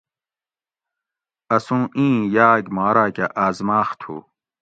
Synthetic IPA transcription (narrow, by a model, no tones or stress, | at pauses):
ɐsũːʔĩːjaːɡmaːɾaːkaʔaːzmaːxt̪ʰṵː